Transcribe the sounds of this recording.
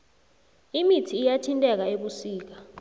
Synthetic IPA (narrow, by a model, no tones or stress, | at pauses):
imitʰiːjatʰintʼɛk̬aeɓusiːk̬a